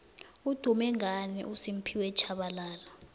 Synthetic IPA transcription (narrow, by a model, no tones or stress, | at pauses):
ud̥ʱumɛŋanḭʔusim̩pʰiwɛt͡ʃʰaɓalaːlɔ